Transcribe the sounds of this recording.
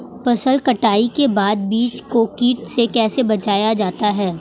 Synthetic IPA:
pɐsəlkɐʈaːikebaːd̪̚biːt͡ʃkokiːʈsekɛːsebɐt͡ʃaːjad͡ʒaːt̪aɦɛː

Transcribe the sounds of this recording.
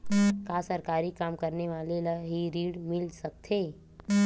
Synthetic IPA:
kaːsəɾkaːɾikaːmkəɾneʋaːlelaɦiɾiːɽmɪlsɐk̚t̪ʰeː

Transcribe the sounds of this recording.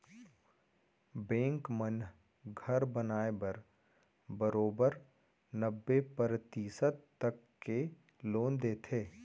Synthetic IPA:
bẽːŋkmən | ɡʱəɾbənaːebɐɾ | bəɾoːbəɾ | nəbːepɾt̪iːsət̪ː | ɐkːe | loːnd̪eːt̪ʰeː

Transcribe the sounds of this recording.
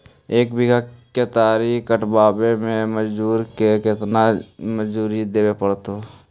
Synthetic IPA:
eːkbɪɡʱakːet̪aːɾikəʈbaːbemẽməd͡ʒduːɾkekɪt̪naməd͡ʒd͡ʒuːɾid̪eːwepəɽt̪oː

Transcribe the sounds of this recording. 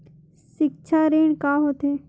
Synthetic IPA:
ʃɪk̚t͡ʃʰaɾeːɳ̃kaɦoːt̪eː

